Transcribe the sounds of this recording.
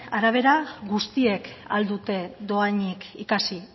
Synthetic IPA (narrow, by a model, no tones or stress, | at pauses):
aɾaβ̞e̞ɾaɡust̪ie̞ka̰ld̪ut̪e̞ðo̞aɲikikasi